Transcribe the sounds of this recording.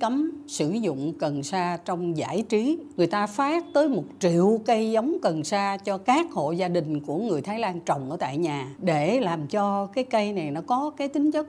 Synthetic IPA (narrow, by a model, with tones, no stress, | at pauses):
kə˨˦msɨ˧˩zʊ̰˧˨ŋ͡mkə˨˩nsaː˧t͡ɕɔ˧wŋ͡mza̰ː˧˩jt͡ɕi˨˦ŋɨ˨˩əjt̪aː˧faː˦˥k̚t̪əː˨˦jmo˨˩t̚t͡ɕḭ˧˨əwkə˧jzə˨˦wŋ͡mkə˨˩nsaː˧t͡ɕɔ˧kaː˦˥k̚ho̰˧˨zaː˧ɗï˨˩ŋ̟ku˧˩əŋɨ˨˩əjt̪ʰaː˨˦jlaː˧nt͡ɕə˨˩wŋ͡mʔəː˧˩t̪a̰ː˧˨jɲaː˨˩ɗe˧˩laː˨˩mt͡ɕɔ˧kaː˨˦jkə˧jna˨˩jnɔ˨˦kɔ˨˦kaː˨˦jt̪ï˨˦ŋ̟t͡ɕə˦˥t̚